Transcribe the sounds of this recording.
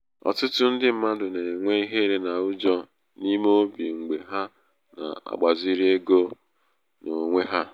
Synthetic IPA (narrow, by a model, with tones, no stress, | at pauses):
ɔ̰˨tʊ˦tʊ˦n̩˦dɪ˦m̩˦ma˦dʊ˨ne˨ŋʷe˦i˦ɦe˦ɾe˦na˨ʊ˦d͡ʒɔ˦ | ni˦mo˦bi˨ŋ̩˨ɡ͡be˨ɦa˦ | na̰˨a̰˨ɡ͡ba˨zi˦ɾi˦e˦ɡo˦ | no˨ŋʷe˦ɦa˦